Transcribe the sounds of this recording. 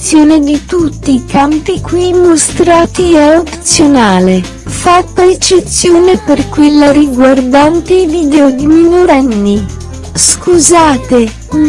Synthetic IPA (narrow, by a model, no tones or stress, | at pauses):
sːjoːned̪it̪ut̪ːiːkampikwimːost̪ɾaːt̪iɛopt̪sjonaːle | fat̪ːaet͡ʃːet̪sːjoːneperkwelːaɾiɡward̪ant̪eid̪id̪ɛod̪iminoɾɛnːi | skuzaːt̪e